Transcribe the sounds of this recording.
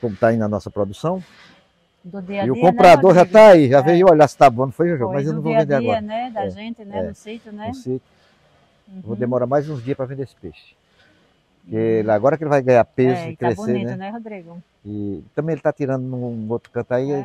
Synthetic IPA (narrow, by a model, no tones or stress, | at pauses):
kõmʊt̪aĩnɐnɔsɐpɾod̪usɐ̃w̪̃ | iiʊkõmpɾad̪oɾʒat̪aiʒaveewɔʎasɪ̥t̪abõnũfojiʒʊʒoɡʊmɐzewnɐ̃vowvẽnd̪eaɡɔɾɐɛɛʒẽnɛst̪nĩset̪ʊ | wvowd̪emɔɾamajzũzd͡ʒiɐspɾɐvẽd̪eesɪ̥peʃɪ̥ | keelaɡɔɾɐkelɪvajɡɐ̃ɲapezʊikɾesenɛɛhod̪ɾiɡɐ̃ | ɪt̪ɐ̃mbẽj̃elɪt̪at̪iɾɐ̃nd̪ʊnũowt̪ɾʊkɐ̃t̪ai